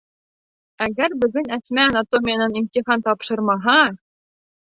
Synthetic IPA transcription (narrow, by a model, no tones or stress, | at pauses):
æɡæɾbɘ̆ɡɘ̆næsmæɑnɑt̪omʲijɑnɤnimtʲiχɑnt̪ɑpʃɤ̆rmɑɦɑ